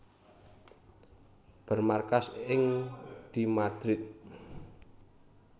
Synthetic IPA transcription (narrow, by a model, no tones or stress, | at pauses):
b̥ərmarkasɪŋd̪̥imad̪̥ɾɪt̪̚